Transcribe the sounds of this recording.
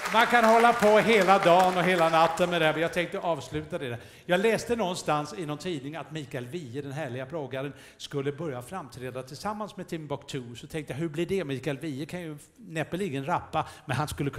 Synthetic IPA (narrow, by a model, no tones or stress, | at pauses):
mankʰanhɔlːapʰɔɦeːlad̪ɑːnɔɦeːlanat̪ːənmɛd̪ɛæɾmɛjɑːɡ̚t̪ʰɛŋk̚t̪əʔɑːvslʉ̟ːt̪ad̪ɛd̪ɛ | jɑːɡlɛːst̪ənɔɡnst̪ansɪnːɔmt̪ʰiːd̪nɪŋnat̪miːkaɛlviːəd̪ɛnɦæːɭɪɡapʰlɔɡaɾən | skɵlːəbœɾjafɾamt̪ʰɾɛːd̪at̪ʰɪlsamːansmɛt̪ʰɪmbɑkt̪ʰʉːsɔt̪ʰɛŋkt̪əjaɦɵblɪɖɛmiːkaɛlviːəkʰanjɵ | nɛpːəliːɡənɾapːamɛnɦanskɵlːəkʰ